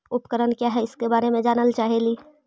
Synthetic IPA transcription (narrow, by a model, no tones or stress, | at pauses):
ʊpkəɾənkjaɦɛɪskebaːɾemẽd͡ʒaːnəlt͡ʃaːɦeliː